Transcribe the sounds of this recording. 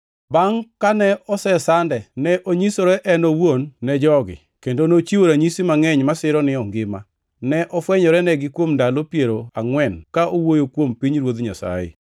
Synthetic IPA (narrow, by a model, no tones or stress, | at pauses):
baŋkanɛɔsɛsandɛnɛʔoɲisoɾɛʔɛnɔwonːɛd͡ʒɔɡɪ̰ | kendonot͡ʃiwoɾaɲisimaŋɛɲmasɪɾɔnɪɔŋɡɪma | nɛʔɔfwɛɲɔɾɛnɛɡɪkwomndalopjeɾoaŋwɛnkaʔowojokwompiɲɾwod̪ɲasa̰ɪ̰